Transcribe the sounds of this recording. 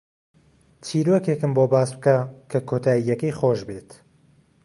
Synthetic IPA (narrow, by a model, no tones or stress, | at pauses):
tʰiːɾokekɨmboːbaːsb̚kakʰɐkʰoːt̪ʰaːijɛkejχoːʒbeːt̪